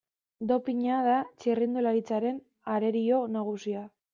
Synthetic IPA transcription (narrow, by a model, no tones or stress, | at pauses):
d̪o̞piɲaðat͡ʃirind̪ulaɾit͡saɾe̞n | aɾe̞ɾio̞naɣ̞usia